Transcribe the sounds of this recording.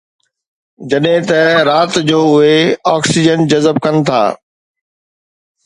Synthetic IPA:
d͡ʑɐɗɦɪ̃t̪ɐɾaːt̪d͡ʑoːʊeɔːksid͡ʑənd͡ʑɐzəb̚kɐnɪ̆t̪ʰa̰ː

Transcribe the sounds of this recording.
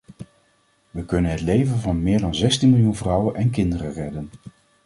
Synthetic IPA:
ʋəkɵnənɦətlejvənvɑnmɪːɹdɑnzɛstinmɪlˠjunvrʌwənɛnkɪndərərɛdən

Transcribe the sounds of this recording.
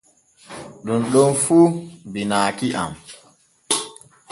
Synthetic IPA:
ɗunɗɔnfuːbinaːkiʔa̰m

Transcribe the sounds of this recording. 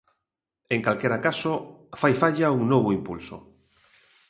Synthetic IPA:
eŋkalkeɾakasofajfaʎauŋnoβoimpulso̰

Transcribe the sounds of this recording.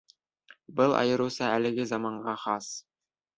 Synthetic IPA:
bɤlˠʔɑ̰jɤ̆ɾɤ̆wsɑælɘ̆ɡɘzɑmɑɴɢʁɑχɑs

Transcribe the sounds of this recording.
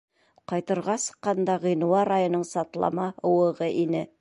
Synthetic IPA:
qʰɑjt̪ɤ̆ɾʁɑsɤ̥qːɑnd̪ɑʁĭjnuɑɾɑjə̆nəɴsɑt̪lˠɑ̰mɑŏwɤ̆ʁəʔinɘ

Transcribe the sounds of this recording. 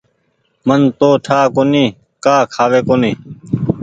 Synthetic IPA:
mənt̪oːʈʰaːkoːniː | kaːkʰaːʋeːkoːniː

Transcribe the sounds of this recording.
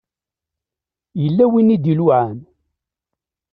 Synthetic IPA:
jəlːæwinːid̪iluʕam

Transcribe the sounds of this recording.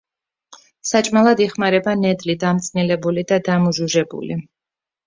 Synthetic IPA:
sat͡ʃʼmalˠad̪iχmaɾɛbanɛd̪lid̪amt̪sʼnilɛbulid̪ad̪amuʒuʒɛbṵli

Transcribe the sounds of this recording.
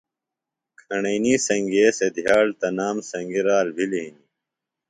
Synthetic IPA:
kʰɐɳɐiniːsɐŋɡeːsed̪jaːlt̪ɐnaːmsɐŋɡiɾaːlbʱiliɦini

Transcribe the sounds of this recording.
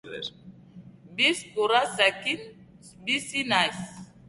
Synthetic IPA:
bispuɾasakin | bisinajs

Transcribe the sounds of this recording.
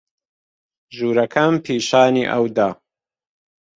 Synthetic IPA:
ʒuːɾɐkʰɐmpʰiːʃaːniːʔɐ̰wd̪aː

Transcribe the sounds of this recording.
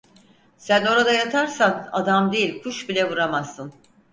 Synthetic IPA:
sæno̞ɾad̪ajat̪ʰaɾsana̰d̪amd̪e̞jilʲkʰuʃbilʲɛvuɾamasːɯn

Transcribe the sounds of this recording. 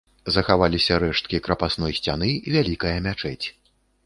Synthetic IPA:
zɐxavalʲisʲɐɾɛʂt̪̚kʲikɾɐpasnɔjsʲt͡sʲanɨvʲalʲikɐjɐmʲat͡ʂɛt͡sʲ

